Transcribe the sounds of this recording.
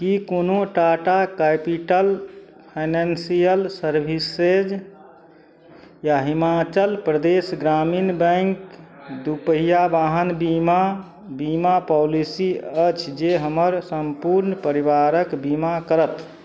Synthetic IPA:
kikonoʈaʈakapiʈəl | pʰanansijəlsəɾbʱised͡ʒ | jaɦimat͡ʃəlpɾəd̪esɡɾaminbə̃ŋkd̪upəɦijabaɦənbima | bimapɔlisiət͡ʃʰd͡ʒeɦəməɾsəmpuɾnpəɾiʋaɾəkbimakəɾət̪

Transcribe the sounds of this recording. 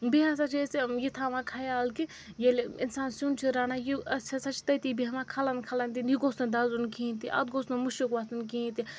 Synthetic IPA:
biɦãsɐt͡ʃʰesijit̪ʰamakʰaːjaːlki | jelḭnsaːnsunt͡ʃʰiɾaːnajiɐsɐsɐt͡ʃʰi̥t̪ɐt̪ibiɦɐmãkʰɐlɐnkʰɐlɐnd̪injiɡoːsnɐnd̪aːzunkʰĩːnt̪iʔɐ̰t̪̚ɡoːsnɐmuʃukʋaːsunkĩːnt̪i

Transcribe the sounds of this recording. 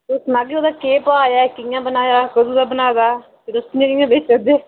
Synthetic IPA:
ʊsnaɡoːd̪aːkeːpaːjaːkɪjãːbənaːjaːkəd̪uːd̪aːbənaːd̪aː | pɪɾʊskɪɲãːkɪjãːbeːt͡ʃad̪eː

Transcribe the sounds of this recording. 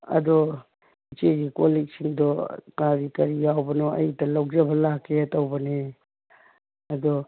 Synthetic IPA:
ɐ̰d̪ɔ | it͡ʃeɡikolek̚siŋdɔkaɾikɐɾijawbɐnɔɐ̰jtɐlɐwd͡ʒɐbɐlakʰːeɐtɐwbɐne | ɐd̪ɔ

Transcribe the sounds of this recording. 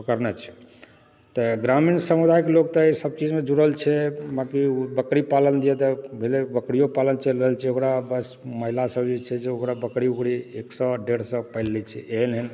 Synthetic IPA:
pəkəɾnɛt͡ʃʰɛ̥ | t̪ɔɡɾaminsəmud̪ʱajkelok̚t̪ɔisəb̚t͡ʃid͡ʒmed͡ʒuɽəlt͡ʃʰɛbakiubəkɽipalənd̪iɛt̪ɔbʱelebəkɽijopalənt͡ʃelɾəɦəlt͡ʃʰɛokɾabəsməɦilasəbd͡ʒet͡ʃʰɛd͡ʒeokɾabəkɽiukɽieksɔ̃ɖeɽsə̃pəɪlːɛt͡ʃʰɛeɦlɦən

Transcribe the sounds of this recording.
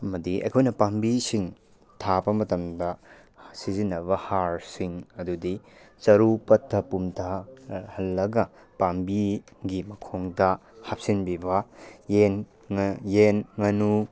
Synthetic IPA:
ɐmɐdiʔɐ̰jkʰojnɐpambisiŋ | tʰabɐmɐtɐmdɐ | sizinɐbɐhaɾsiŋɐdudit͡ʃɐɾupɐtʰːɐpumtʰahɐlːɐɡɐ | pambi | ɡimɐkʰoŋdɐ | hap̚sinbibɐjen | jenŋɐnu

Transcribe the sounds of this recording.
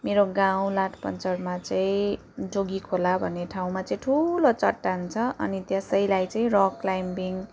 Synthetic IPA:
meɾoɡaw̃laʈʰpʌnt͡sʌrmat͡saĩ | d͡zoɡikʰolabʱʌnːeʈʰaw̃mat͡sʌ̃ĩʈʰulot͡sʌʈːant͡sʰʌʌ̰nit̪jʌsʌjlajt͡saĩrʌklajmbiŋ

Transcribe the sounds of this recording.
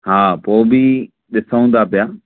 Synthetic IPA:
ɦãːpoːbʱiː | ɗɪsaõːnd̪aːpɪjaː

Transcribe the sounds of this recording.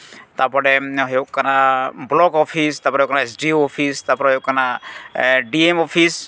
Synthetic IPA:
t̪apɔɽɛɦɔjoʔkanablɔɡɔpʰist̪apɔɾjokanaesɖioɔpʰist̪apɔɾɛɦɔjoʔkana | ɖiemɔpʰis

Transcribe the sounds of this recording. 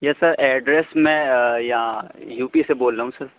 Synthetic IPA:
jɛsɐɾɛːɖɾesmɛ̃jãjuːpiseboːlɾaːɦũsɐɾ

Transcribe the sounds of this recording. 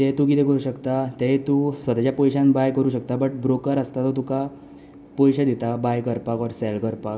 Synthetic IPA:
t̪ɛt̪ukit̪ɛ̃kəɾuːɕəkt̪at̪ɦet̪usʋət̪at͡ɕjapɔjɕãnbajkəɾuːɕək̚t̪abəʈ̚bɾokəɾəst̪at̪ɔt̪uka | pɔjɕad̪it̪abajkəɾpakɔɾsɛlkəɾpak

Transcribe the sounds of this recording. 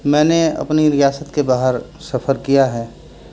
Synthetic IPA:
mɛ̃ːneɐ̰pniɾɪjaːsət̪kebaːɦəɾ | sɐpʰəɾkijaɦɛː

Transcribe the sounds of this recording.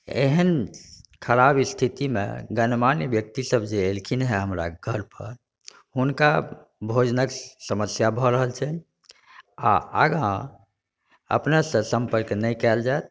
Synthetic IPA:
ḛɦənkʰəɾabist̪ʰit̪imḛɡənmanjəbjək̚t̪isəbʱd͡ʒeelkʰinɦɛɦəmɾa̰ɡʱəɾpə̰ɾ | hunka | bʱod͡ʒnəksəməsjabʱɔɾəɦəlt͡ʃʰɛ | a̰ə̰ɡã | ə̰pnesə̃sə̃mpəɾknɛjkɛld͡ʒaet̪̚

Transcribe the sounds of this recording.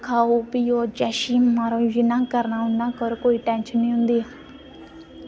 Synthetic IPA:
kʰaːoːpioːd͡ʒɛːʃiːmaːɾõːd͡ʒɪnãːkəɾnaːɦʊnːãːkəɾkoːiːʈɛ̃ːnʃənĩːɦʊ̃nd̪iː

